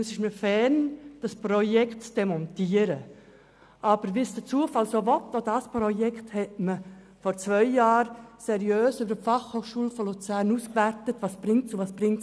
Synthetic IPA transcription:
əsɪʃməfɛɾnd̥ɑspɾɔjɛktt͡sd̥ɛmɔntiəɾə | ʔɑb̥əɾʋiːsd̥ət͡suəfɑlsoːʋɔtːodɑspɾɔjɛkthɛtmə | fɔɾt͡sʋœʏjɑːɾsɛɾjøːsʏbəəfɑχhoːχʃuːlfɔlot͡sæːɾnuːskʋæɾtətʋɑːsb̥ɾɪŋtsuvɑːsb̥ɾɪŋtt͡s

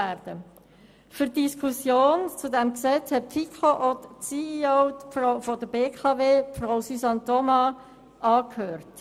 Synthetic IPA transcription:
ɛɾd̥ə | fyɾdiskʰusjoːnt͡sudɛmksɛt͡shɛt̚pfikʰoʔɔtt͡siioʊfrafɔdəbeːkʰɑveːfraʊsysɑnt̪ɔmɑ | ʔɑːkhøːɾt

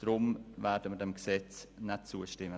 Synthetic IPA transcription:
d̥ɾʊmvɛːɾdəmədɛmksɛt͡snɛt̚t͡suəʃtɪmə

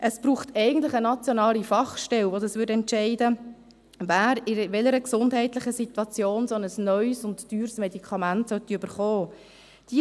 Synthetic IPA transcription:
ʔəsb̥ɾuːχtʰɛɪɡən̩tlɪχənɑt͡sjonɑːlifɑχʃtɛlvodəsʋʏɾdɛntʃɛɪdə | væːɾɪʋɛləɾəksʊndɦɛɪtlɪχəsit̪wɑt͡sjoːnsonəsnœʏsʊntd̥yːɾsmɛdikʰɑmæntsœt̪iøb̥əɾχɔː | d̥i

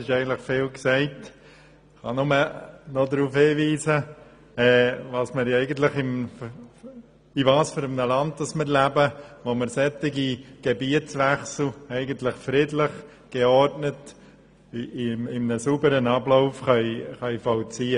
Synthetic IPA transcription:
sɪʃɛɪɡən̩t̪ləχfɪːlksɛɪt | χɑ̰nʊmənɔdɾuːfhɪːʋiːzə | ɛːvɑːsməɾɛɪɡən̩t̪ləχɪm | iʋɑːsføɾəmnəlɑnd̚dɑsmɪɾlæbəʋoməɾsɛt̪ɪɡiɡ̥ɛbiətsʋæχsl̩ɛɪɡənt̪lɪχfɾɪdlɪχ | ɡ̥ɛɔɾtnət | mɪmnəsubəɾənɑbloʊfχɑɪχɑɪfɔlt͡siːə

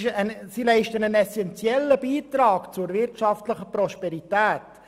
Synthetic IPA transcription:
ʃsilɛɪʃtənənɛsɛnt͡sjɛləbiːt̪ɾɑːkt͡sʊɾvɪrtʃɑftləχəpɾɔʃpɛɾitæːt

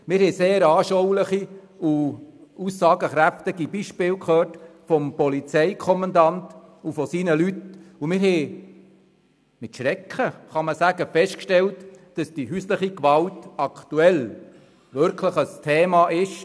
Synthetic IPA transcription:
mɪɾhɛseːɾɑːʃowləχi | uusːɑːɡəχɾæftɪɡibiʃpɪːlkχøːrtfɔmpɔlit͡sɛɪkʰɔmɑndɑntufɔsiːnəlytumɪɾɦɛ | mɪtʃɾɛkχəχɑməsæɡəfɛʃtkʃtɛltd̥ɑsd̥iɦysləχikʋɑltɑktuɛl | ʋʏɾkʰləχəstʰeːmɑʔɪʃ

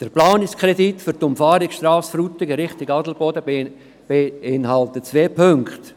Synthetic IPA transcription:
d̥əɾplaːnɪskʰɾɛditfʏɾtʊmfaːɾɪksʃtraːsfɾuːtɪɡəɾɪχtɪɡɑdl̩bɔdə | b̥eɪnhɑltət͡sveːpʰøŋkt

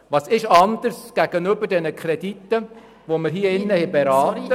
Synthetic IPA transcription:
ʋɑːsɪʃɑnd̥̪əɾsɡ̥æɡ̥ənøbədɛnəkʰχɾɛd̥itːə | ʋoməɾɦiːəɪnːəhɛbeɾɑːt̪ːə

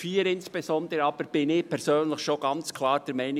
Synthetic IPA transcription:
fiːɾɪnsb̥ezɔnd̪əɾəɑːb̥əɾb̥ɪnɪːpʰɛɾsøːnləxʃoɡ̥ɑnt͡skʰlɑːɾd̥ɛɾmɛɪnɪ

